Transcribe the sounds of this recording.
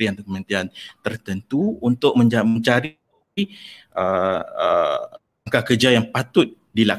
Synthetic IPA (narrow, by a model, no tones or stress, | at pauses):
ɾiant̪ukəmə̃nt̪iant̪ərt̪ənt̪uːnt̪ʊʔ̚mə̃ɲaməɲt͡ʃaɾi | iʔəə | aŋkakərd͡ʒajaŋpat̪ʊt̪̚ | dilak